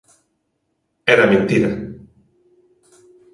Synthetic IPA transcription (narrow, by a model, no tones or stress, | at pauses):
eɾamẽnt̪iɾa